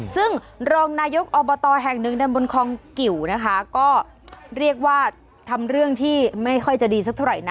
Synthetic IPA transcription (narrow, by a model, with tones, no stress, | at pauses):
sɯ˥˩ŋ | ɾoː˧ŋnaː˧jo˦˥k̚ʔɔː˧bɔː˧t̪ɔː˧ɦɛ˨˩ŋnɯ˨˧ŋda˧nbo˧nkʰɔː˧ŋki˨˩wna˦˥kʰa˦˥kɔː˥˩ | ɾi˥˩ək̚waː˥˩ | t̪ʰa˧mɾɯ˥˩əŋt̪ʰiː˥˩ma˥˩jkʰɔ˥˩jt͡ɕa˨˩diː˧sa˦˥k̚t̪ʰɾa̰˨˩jna˦